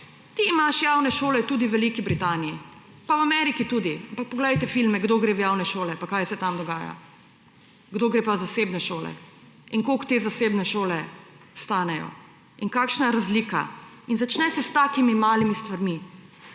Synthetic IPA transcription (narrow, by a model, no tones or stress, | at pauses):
t̪iːmaʃjaːwnɛʃoːlɛt̪uːd̪iʋɛlikibɾit̪aːniji | pawamɛɾikit̪uːd̪iampak̚pɔɡlɛjt̪ɛfilmɛɡd̪oːɡɾeːʋjaːwnɛʃoːlɛpakajsɛt̪amd̪ɔɡaːja̰ | ɡd̪oːɡɾepazaseːbnɛʃoːlɛ̰ | iŋkokt̪eːzaseːbnɛʃoːlɛ | st̪aːnɛjɔ̰ | iŋkaːkʃnaɾazlika̰ | inzat͡ʃnɛsɛst̪aːkimimaːlimist̪ʋaɾmi